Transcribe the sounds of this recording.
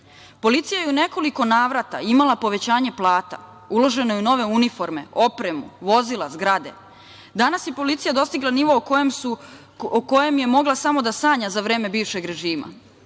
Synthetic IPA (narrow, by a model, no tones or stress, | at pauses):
po̞lit̪sijajeune̞ko̞liko̞naːʋɾat̪aimalˠapo̞ʋe̞t͡ɕaːɲe̞plˠaːt̪a̰ | ulo̞ʒe̞nojeuno̞ʋe̞unifo̞ɾme̞̰o̞pɾe̞muʋo̞zilˠazɡɾad̪e̞̰ | d̪anasjepo̞lit̪sijad̪o̞st̪iɡlˠaniʋo̞kmu | oko̞je̞mje̞mo̞ɡlˠasamo̞d̪asaːɲazaʋɾe̞ːme̞biːʋʃe̞ɡɾe̞ʒiːma̰